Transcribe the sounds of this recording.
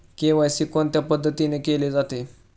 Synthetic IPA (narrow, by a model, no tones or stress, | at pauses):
keʋajɕikoɳt̪japəd̪ʱːət̪inekeled͡zat̪e